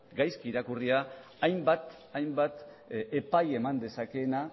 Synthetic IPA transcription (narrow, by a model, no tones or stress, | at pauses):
ɡajskiɾakuriaː | jmbat̪ | ajmbat̪ | epaje̞mand̪e̞sake̞na